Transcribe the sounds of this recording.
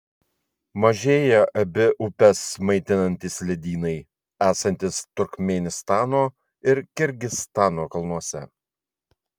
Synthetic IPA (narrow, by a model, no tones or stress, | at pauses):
mɐʒʲeːjɛʔɐbʲɪʔʊpʲɛsmɐɪt̪ʲɪnɐnʲt̪ʲiːsʲlʲɪd̪ʲiːnɐɪ | æːsɐnʲt̪ʲɪst̪ʊɾʲkmʲɛnʲɪst̪ɑːnoː | ɪɾkʲɪɾʲɡʲɪst̪ɑːnoːkɐlˠnuɔsʲɛ̰